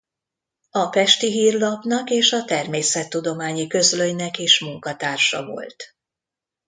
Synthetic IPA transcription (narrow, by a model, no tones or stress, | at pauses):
ɒpɛʃt̪iɦiːrlɒpnɒkeːʃɒt̪ɛrmeːsɛt̪ːud̪o̞maːɲikø̞zløjnɛkeːʃmuŋkɒt̪aːrʃɒ̰vo̞̰lt̪